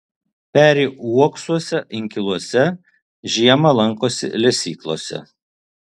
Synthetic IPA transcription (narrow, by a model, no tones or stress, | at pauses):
pʲæːɾʲiːuɔksuɔsʲɛʔɪŋʲkʲɪlˠuɔsʲɛ | ʒʲiɛmɐlˠɐŋˑkoːsʲɪ̰lʲɛsʲiːklˠo̰ːsʲɛ̰